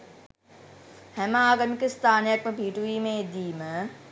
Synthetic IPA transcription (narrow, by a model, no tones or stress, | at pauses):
hɛmaaːɡəmkəst̪ʰaːnijəkməbʱiːʈuʋiːmẽd̪iːmə